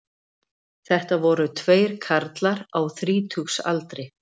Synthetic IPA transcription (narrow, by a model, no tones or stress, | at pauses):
θɛht̪avɔɾʏt̪ʰveːjɾ̥kʰaɾt̪laɾawθɾiːt̪ʰuksa̰lt̪ɾɪ